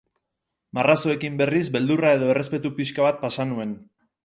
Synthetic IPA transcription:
maraso̞e̞kimbe̞rizbe̞ld̪urae̞ðo̞e̞re̞spe̞t̪upiskaβat̪̚pasanue̞n

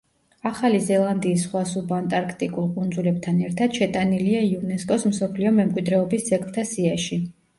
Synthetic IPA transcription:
aχalizɛlˠand̪iːsːχwasubant̪ʼaɾkʰt̪ʼikʼulˠkʼund̪zulɛb̚t̪ʰanɛɾt̪ʰad̪̥ʃɛt̪ʼaniliaiunɛskʼɔsmsɔpʰliɔmɛmkʼwid̪ɾɛɔbisːɛkʰʼvt̪ʰasiaʃi

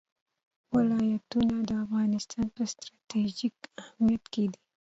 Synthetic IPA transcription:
wɪlɑjat̪unad̪əafɣɑnɪst̪ʰɑnpəst̪ɾɑt̪ed͡ʒikahmijat̪ked̪i

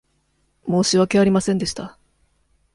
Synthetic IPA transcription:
mo̞ːɕiβakeaɾʲimasẽ̞nd̪e̞ɕi̥t̪a

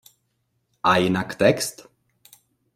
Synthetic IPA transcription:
ajnakt̪ɛkst̪

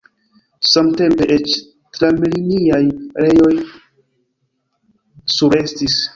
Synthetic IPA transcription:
samte̞mpe̞ʔet͡ʃ | tɾamliniajɾe̞jo̞j | suɾe̞stis

